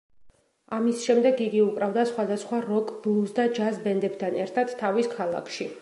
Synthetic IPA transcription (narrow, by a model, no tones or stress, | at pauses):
amisʃɛmd̪ɛɡiɡiukʼɾavd̪asχwad̪asχwaɾɔkʼblˠusd̪ad͡ʒazbɛnd̪ɛbt̪ʰanɛɾt̪ʰad̪t̪ʰːaviskʰalˠa̰kʰʃi